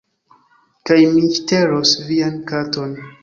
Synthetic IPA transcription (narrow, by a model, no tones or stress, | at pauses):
kajmiʃteɾosviankato̞n